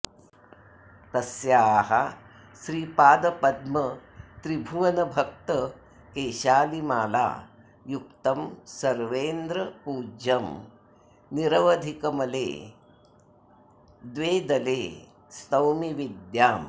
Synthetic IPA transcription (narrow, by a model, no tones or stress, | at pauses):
t̪ɐsjaːɦɐ | ʃɾiːpaːd̪ɐpɐd̪mɐt̪ɾibʱuʋɐnɐbʱɐk̚t̪ɐ | keːʃaːlimaːla̰ː | juk̚t̪ɐmsɐɾʋeːnd̪ɾɐpuːd͡ʒɐm | niɾɐʋɐd̪ʱikɐmɐlḛː | d̪ʋeːd̪ɐleː | st̪ɐwmiʋid̪jaːm